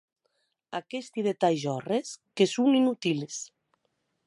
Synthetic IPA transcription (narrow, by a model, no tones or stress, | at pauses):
akest̪iðet̪ajʒɔreskesuŋinut̪iles